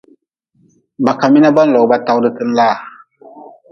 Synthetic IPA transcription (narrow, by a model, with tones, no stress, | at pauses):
ba˨ka˨mi˦na˦ba˦n̩˦lɔ˨˦ba˦ta˦wdɨ˦kɨ˦n̩˦laː˦˨